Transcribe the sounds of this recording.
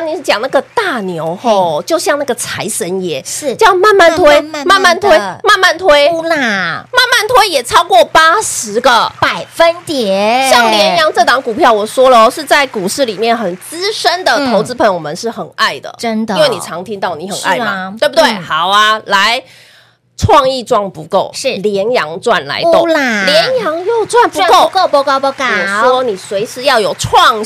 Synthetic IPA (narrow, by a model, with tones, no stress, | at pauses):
ŋni˨˥˩t͡ɕjɑ˨˩ŋna˥˩ɡə˩t̪a˥˩njo˧˥ʊxo˥˩ʊt͡ɕjo˥˧ʊɕjɑ˥˧ŋna˥˩ɡə˩t͡sʰa˧˥ɪʂə˧˦˥njɛ˧˥t͡ɕjɑ˥˧ʊma˥˧nma˥˩nt̪ʰwe˥ɪma˥˧nma˥˩nt̪ʰwe˥ɪma˥˧nma˥˩nt̪ʰwe˥ɪa˥˩ma˥˧nma˥˩nt̪ʰwe˥ɪjɛ˨˩t͡sʰɑ˥ʊkwɔ˥˩pa˥ʂɻ̩˧˥ɡə˨pa˨˩ɪfə˦˥nt̪jɛ˨˦ɕɑ˥˩ŋnjɛ˧˥njɑ˧˥ŋʈ͡ʂɤ˥˩t̪ɑ˧˥ŋku˨˩pʰjɑ˥˩ʊwɔ˨˩ʂwɔ˥lə˨˦ʂɻ̩˥˧t͡sa˥˩ɪku˨˩ʂɻ̩˥˩li˨˩mjɛ˥˩nxə˨˩nt͡sɹ̩˥ʂə˥nd̪ə˨t̪ʰo˧˥ʊt͡sɹ̩˥pʰə˧˥ŋjo˨˧˩mə˦nʂɻ̩˥˩xə˨˩na˥˩ɪd̪ə̰˩iə˦nd̪ŋwe˥˩ɪni˨˩ʈ͡ʂʰɑ˧˥ŋt̪ʰi˥ŋt̪ɑ˥˩ʊni˧˥xə˨˩nʔa̰˥˩ɪa˨we˥˩bu˩t̪we˥˩ɪxɑ˨˩ʊa˧la˧˦ɪ | ʈ͡ʂʰwɑ˥˧ŋi˥˧ʈ͡ʂwɑ˥˩ŋpu˧˥ko˥˩ʊʂɻ̩˥˩ljɛ˧˦˥njɑ˧˥ŋʈ͡ʂwa˥˩nla̰˧˥ɪo˥˧˦ljɛ˧˦njɑ˧˥ŋjo˥˧ʊʈ͡ʂwa˥˧˨npu˧˥˧ko˥˨ko˥˧ko˥˧kɔ˨˩ʂwɔ˦˥ni˨˩swe˧˥ɪʂɻ̩˥˧jɑ˥˩ʊjo˨˩ʊʈ͡ʂʰwɑ˥˧ŋ